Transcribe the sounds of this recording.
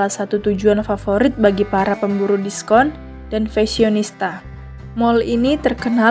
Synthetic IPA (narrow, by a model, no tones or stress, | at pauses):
lasat̪ut̪ud͡ʒuanfafoɾɪt̪̚baɡipaɾapəmbuɾudiskɔn | d̥anfɛsionist̪a | mɔlinit̪ərkəna